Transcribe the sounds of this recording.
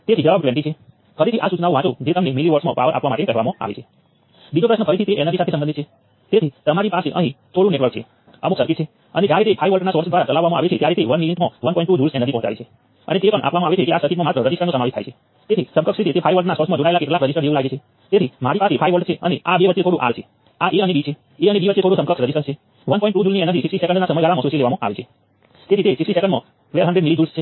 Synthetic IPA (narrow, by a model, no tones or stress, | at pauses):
t̪et̪ʰid͡ʒəʋab̚klɛ̃ɳʈ̬it͡ʃʰe | fʰəɾet̪ʰiʔasut͡ʃnaʋũɦãt͡ʃod͡ʒet̪əmnemiliʋəɾsmã̰pa̰əɾʔa̰pʋamaʈekəɦʋamãa̰ʋḛt͡ʃʰe | bid͡ʒopɾəʃnəfʰəɾet̪ʰit̪eʔɛnəd̪isat̪ʰesəmənd̪it͡ʃʰe | t̪et̪ʰit̪əmaɾipaseʔə̰ɦĩt̪ʰoɽũneʈʋəɾk̚t͡ʃʰḛ | ə̰mũsəɾkit̪t͡ʃʰe | əned͡ʒaɾit̪epʰajʋəlʈnasɔɾsd̪ʋaɾat͡ʃəlaʋːamãa̰ʋet͡ʃʰet̪jaɾit̪eʋənʋiniʈmãʋənpɔĩɳʈud͡ʒuɾsenəd̪ʱipɔɦɔ̃t͡ʃa̰ʋet͡ʃʰe | ə̰net̪epəɳʔa̰pʋamãaʋet͡ʃʰekeasəɾkit̪mãmat̪əɾəd͡ʒisənõsəmaʋit̪ʰa̰jt͡ʃʰe | t̪et̪ʰisə̃mkəksɾit̪ʰit̪efʰajʋəlʈnasɔɾsmãd͡ʒoɽaelakeʈlakɾəd͡ʒisəɾd͡ʒeʋũlaɡet͡ʃʰe | t̪et̪ʰim̤aɾipasepʰajʋəɭʈt͡ʃʰeəneabeʋətt͡ʃːet̪ʰoɽũʔa̰lt͡ʃʰe | aʔeənebit͡ʃʰe | eənebiʋətːet̪ʰoɽusə̃mkəksɾəd͡ʒisəɾt͡ʃʰe | ʋənpɔĩɳʈud͡ʒulnieɛnət̪ʰisisʈisekə̃ɳnɖnasəməjɡʱaɾamãsut͡ʃileʋamãʔa̰ʋet͡ʃʰe | t̪et̪ʰit̪esisisekəɳɖmã̰ | ʋɛlɦəɳɖɾeɖmilid͡ʒulst͡ʃʰe